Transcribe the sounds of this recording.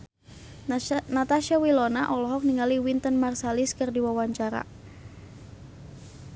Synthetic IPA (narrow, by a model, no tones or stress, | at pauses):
nat̪aʃawilɔnaʔɔlɔɦɔk̚niŋaliwint̪ənmarsaliskərdiwawaɲt͡ʃaɾa̰